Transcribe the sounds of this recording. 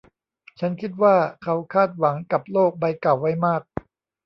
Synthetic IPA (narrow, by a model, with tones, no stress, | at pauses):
t͡ɕʰa˦˥nkʰi˦˥t̪̚waː˥˩kʰa˦˥wkʰaː˥˩t̪̚wa˩˦ŋka˨˩p̚loː˥˩k̚ba˧jka˨˩wːa˦˥jmaː˥˩k̚